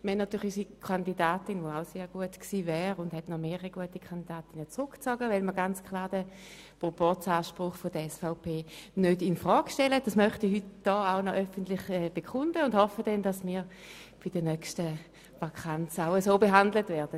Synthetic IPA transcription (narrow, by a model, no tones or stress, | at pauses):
məhɛnatyːʁlɪysikʰandidaːtɪnʋoaʊseːɐɡuətksiːvɛːʁʊndɦɛtnɔmeːəiɡuətikʰandidaːtɪnət͡sʁʊkt͡sɔɡəvɛlməɐɡant͡skʰlaːɐd̥ə | pʁopɔt͡saːʃpʁʊχfodəɛsfaʊpʰeːnødɪnfʁɔːkʃtɛləd̥asmœχtiɦytd̥ɔːaʊnɔʔœfəntlɪχɛːb̥ekχʊndəʊndhɔfədɛndasmiːɐ | b̥id̥ənœkʃtə | ʋakʰant͡saʊəsoːbeɦandlətvɛːɐd̥ə